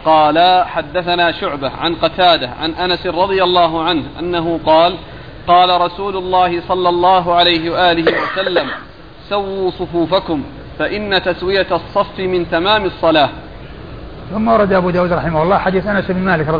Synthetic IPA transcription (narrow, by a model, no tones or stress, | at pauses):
qɑːlaħad̪ːaθanaːʃʊʕbaʕa̰nqɑt̪aːd̪aʕa̰nʔanasɾˤɑd̪ˤɪjalˤːɑːɦʊʕanhʔa̰nːaɦʊqɑːl | qɑːlaɾˤɑsuːlʊlˤːɑːhɪsˤɑlːɑlˤːɑːɦʊʕalajɦɪwaʔaːlɪɦɪwasalːam | sawːuːsˤʊfuːfakʊm | faʔɪnːat̪aswɪjasˤːɑfːɪmɪnt̪amaːmɨsˤːɑlaː | θʊmːaʔɑɾˤɑd̪ʔabuːd̪aːwuːd̪ɾˤɑħɪmahʊlˤːɑːħad̪iːθʔanasʔɪbnmaːlɪkɾɑ